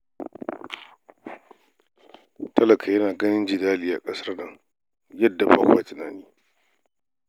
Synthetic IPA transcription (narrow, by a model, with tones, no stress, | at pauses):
tʰɐ˦lɐ˨kʰa˨jɐ˦naː˨ɡɐ˦nɪ˦nd͡ʒɪ˨daː˦liː˦˨ʔa̰˨kʼɐ˦sɐ˦rnɐ˦ŋ | jɐ˦dːa˨ɸa̰ː˦kʷwa˦tɪ˨na̰ː˨niː˦